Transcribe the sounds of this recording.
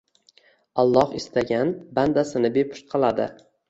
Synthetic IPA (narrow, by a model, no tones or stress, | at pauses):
alˠːɒhɪst̪ʰaɡʲanband̪asɪnɪbepʰʊ̥ʃt̪̚qʰɨlˠad̪ɪ̰